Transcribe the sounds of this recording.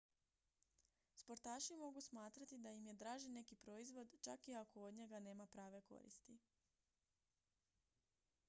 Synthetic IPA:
spo̞ɾt̪aːʃimo̞ɡusmaːt̪ɾat̪id̪ajimje̞d̪ɾaːʒinːe̞kipɾo̞izʋo̞d̪t͡ʃakiakood̪ɲe̞ɡane̞ːmapɾaːʋe̞ko̞̰ɾḭst̪i

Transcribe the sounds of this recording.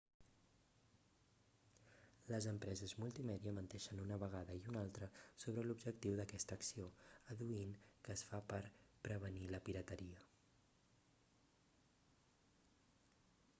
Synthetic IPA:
ləzəmpɾɛzəzmulˠt̪imɛðiəmənt̪ɛʃənunəβəɣ̞aðəiunalˠt̪ɾəsoβ̞ɾəlubʒəkt̪iwðəkɛst̪əːksioəðuinkəːsfapəɾpɾəβ̞əniləpiɾət̪əɾiə

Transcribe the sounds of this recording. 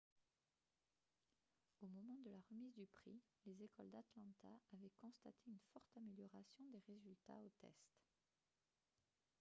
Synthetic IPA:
omɔmɑ̃d̪əlaʁəmizd̪ypχḭ | lezekɔld̪at̪lɑ̃t̪aːvɛkɔ̃st̪a̰t̪ʰeynfɔʁt̪ameljɔʁasjɔ̃d̪eʁezylt̪a̰ot̪ɛ̰st̪

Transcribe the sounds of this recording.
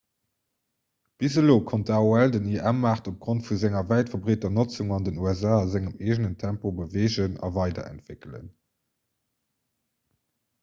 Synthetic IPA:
b̥izəloːkʰontəaːuældəniʔæmaːχtop̚ɡ̥ʁontfuzæŋɐvæɪtfɐbʁeːtɐnot͡suŋɑndənuæzaːzæŋəmeːʒnəntʰæmpobəveːʑənɑ̰vɑɪdɐ̰æ̰ntv̥ɪkələ̰n

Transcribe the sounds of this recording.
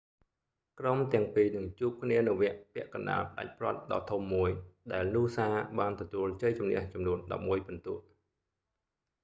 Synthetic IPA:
kromt̪ɛ̆əŋpiːnɨŋt͡ɕuːp̚kʰniənɨwʋɛ̆əʔpɛ̆əʔkɑnɗa̰ːlpə̆ɗa̰c̚prŏət̪̚ɗɑ̰ːt̪ʰumːuəjɗaɛlnuːsaːɓaːnt̪ɔt̪uəlt͡ɕəjt͡ɕumnɛ̰̆əht͡ɕɑmnuənɗɑ̰p̚muəjpunt̪uəʔ̚

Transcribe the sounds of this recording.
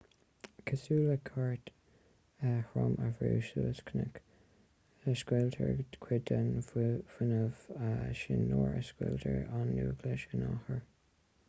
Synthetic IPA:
kʰəsuːləkʰaɹt̪ | əhɹɔməvɹuːʃələskʰnək | əskwɛltʰəɹkʰwɪdənvʊnəvaʃɪnːoːɹəskwɛltʰəɹanːuːɡləʃənahəɹ

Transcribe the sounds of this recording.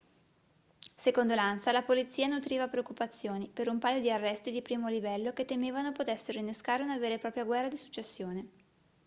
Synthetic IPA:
sekond̪olansalapolit̪sːiːanut̪ɾiːvapɾeokːupat̪sːjoːnipeɾumpaːjod̪iarːɛst̪id̪ipɾiːmolivɛlːoket̪ːemeːvanopot̪esːeɾoinːeskaːɾeunaveːɾepɾɔːpɾjaɡwɛrːad̪isu̥t͡ʃːesːjoːne

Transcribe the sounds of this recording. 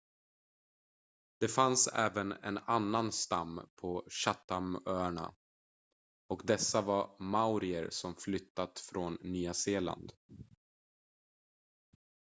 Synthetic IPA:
d̪̥ɛfansɛ̰ːvənɛ̰nanːanst̪amːpʰɔɕat̪ːamœːɳa̰ | ɔkd̪ɛsːavaɾmaʊɾɪəɾsɔmflʏt̪ːat̪fɾonːyːaseːla̰nd̪

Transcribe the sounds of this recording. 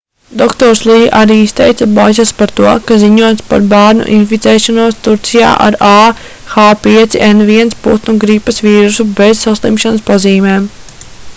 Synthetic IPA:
d̪ɔkt̪ɔɾslˠiːʔaɾiːist̪ɛjt̪sabaːzʲaspaɾt̪uɔkaziɲuɔjt̪spa̰ɾbæːɾnṵʔinfit̪sɛːʃɔnuɔst̪uɾt̪sija̰ːʔa̰ɾaː | xaːpiɛt̪siʔenviɛnspṵt̪nuɡɾipːɐsʋiːɾusubezsaslˠimʃanɐspaziːmeːm

